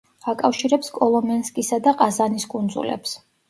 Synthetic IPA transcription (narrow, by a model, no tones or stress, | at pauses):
akʼafʃiɾɛpskʼɔlˠɔmɛnskʼisad̪aqʼazaniskʼund̪zṵlɛ̰ps